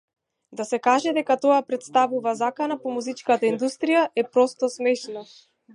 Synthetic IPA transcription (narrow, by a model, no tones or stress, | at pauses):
d̪asɛkaʒɛd̪ɛkat̪ɔapɾɛt̪st̪avuvazakanapɔmuzit͡ʃkat̪aind̪ust̪ɾijaʔɛpɾɔst̪ɔsmɛʃna